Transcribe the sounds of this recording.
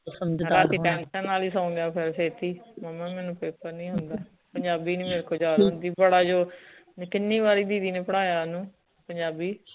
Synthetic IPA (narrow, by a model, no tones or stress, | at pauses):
osəməd͡ʒɾaːt̪iːʈɛ̃ːnsə̃nːaːliːs̬ãːʊ̃ŋɡ̪jaːpʰɪɾseːt̪iːməmɛ̃ːmɛːnũːpeːpəɾnĩːɦʊnd̪aː | pəɲd͡ʒaːbiːniːmeːɾkʰoːd͡ʒaːdʊnd̪iːbəɽaːd͡ʒoːnkɪnːiːbaːɾiːd̪iːd̪iːneːpəɽ̃aːjaːnũː | pəɲd͡ʒaːbiː